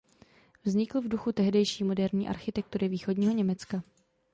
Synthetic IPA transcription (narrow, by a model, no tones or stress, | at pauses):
vzɲɪkl̩vduxut̪ɛɦdɛjʃiːmo̞dɛɾɲiːʔa̰ɾxɪt̪ɛk̚t̪uɾɪviːxo̞dɲiːɦo̞ɲɛmɛt͡ska